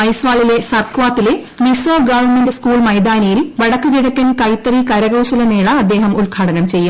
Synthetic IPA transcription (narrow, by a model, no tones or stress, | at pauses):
ɐjsʋaːɭile̞sɐrkʋaːt̪ːile | misoːɡɐʋɐmendskuːɭmɐjd̪aːnɐjilʋɐɽɐkːɨɣiɽɐkːɐnkɐjt̪ːɐrikɐɾɐɣoːɕɐlɐneːɭɐɐd̪ːeːɦɐmulkʰaːɽɐnɐmt͡ɕe̞jːum